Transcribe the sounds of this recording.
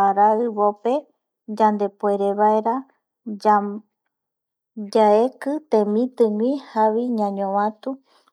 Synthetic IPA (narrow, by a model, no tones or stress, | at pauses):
aɾaɨβope̞ | d͡ʒãnd̪e̞pwe̞ɾe̞βaeɾa | d͡ʒaekɨt̪ẽmĩt̪ɨ̃ŋĩhaʋiɲãɲõʋãt̪u